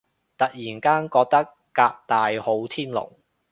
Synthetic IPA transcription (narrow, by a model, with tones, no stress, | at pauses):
t̪ɐ˨k̚jiː˨˩nkaː˥nkɔː˧k̚t̪ɐ˥kːaː˧k̚t̪aː˨jho˨˥wt̪ʰiː˥nlʊ̰˨˩ŋ